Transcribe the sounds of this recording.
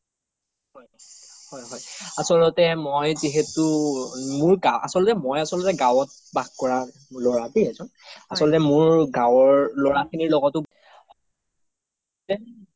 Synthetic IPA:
hɔjhɔjɦɔjasɔlɔtɛmojziɦɛtʊmʊɹɡaʔa̰sɔlɔtɛmɔjasɔlɔtɛɡawɔt̚baɡkɔɹa | lɔɹatiazɔnasɔlɔtɛmʊɹɡãwɔɹlɔɹakʰiniɹlɔɡɔtʊ | h | tɛ

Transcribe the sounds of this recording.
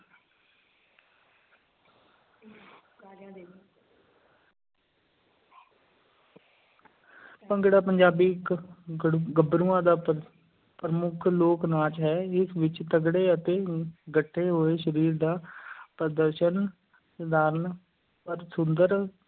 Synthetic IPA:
pəŋɡɽaːpəɲd͡ʒaːbiːk | ɡəbɾuãːd̪aː | pɾəmʊkʰloːknãːt͡ʃɦɛːɪsʋɪt͡ʃt̪əɡɽeːət̪eːɡəʈʰːeːɦoːeːʃəɾiːɾd̪aːpɾəd̪əɾʃən | səd̪aːɾən | pəɾsʊnd̪əɾ

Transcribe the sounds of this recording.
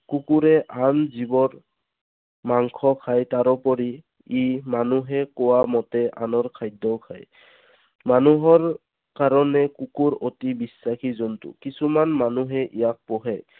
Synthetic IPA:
kukuɹɛʔamzibɔɹ | maŋkʰɔkʰajtaɾɔpɔɹi | imanuɦɛkɔwamɔtɛʔa̰nɔɹkʰajdɔkʰa̰j | manuɦɔɹ | kaɹɔnɛkukuɹotibisːakʰizɔntṵkisumanmanuɦɛʔijak̚pɔɦɛ

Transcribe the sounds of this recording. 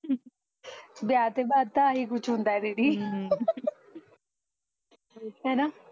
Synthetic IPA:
bjaːt̪eːbaːd̪̚t̪ãəɦiːkʊt͡ʃʰɦʊ̃nd̪aːɛːɖeːɽiː | ɦɛːnaː

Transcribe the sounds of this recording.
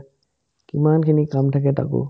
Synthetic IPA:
kimankʰinikamtʰakɛta̰kɔ̰

